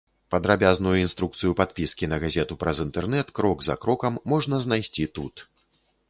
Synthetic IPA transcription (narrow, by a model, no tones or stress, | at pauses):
pɐd̪ɾabʲaznujuinst̪ɾukt̪sɨjupat̪̚pʲiskʲinɐɣazʲɛt̪upɾɐzint̪ɛrnɛt̪kɾɔɡzɐ̰kɾɔkɐmːɔʐnɐznajsʲt͡sʲit̪ut̪